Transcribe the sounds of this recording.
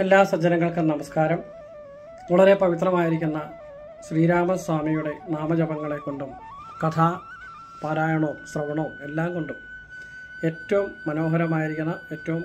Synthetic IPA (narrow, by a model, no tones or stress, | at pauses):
elːaːsɐd͡ʑɐnɐŋːɐɭkɨnɐmɐskaːɾɐm | uɭɐɾe̞pɐʋit̪̬rɐmaːjiɾikʲːunːɐ | ɕriːɾaːmɐswaːmijuɽe̞naːmɐd͡ʑɐbɐŋːɐɭe̞kːoɳɖum | kɐt̪ʰaː | paːɾaːjɐɳoːmsrɐʋɐɳo̞ːme̞lːaːmkoɳɖum | e̞tːɐʋumːɐno̞ːɦɐɾɐmaːjiɾikʲːunːɐetːɐʋum